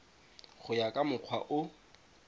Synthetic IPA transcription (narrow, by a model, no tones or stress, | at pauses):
χʊjakʼamʊq͡χʰwa̰ʔʊ